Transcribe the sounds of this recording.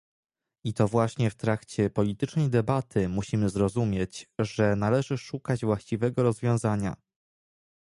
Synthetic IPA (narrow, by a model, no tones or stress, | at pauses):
it̪ɔvwaɕɲɛft̪ɾakt͡ɕɛpɔlʲit̪ɘt͡ʂnɛjd̪ɛbat̪ʰɘmuɕimɘzɾɔzumʲjɛt͡ɕʐɛnalɛʐɘʂukad͡ʑvwaɕt͡ɕivɛɡɔɾɔzvʲjɔ̃w̃zaɲa̰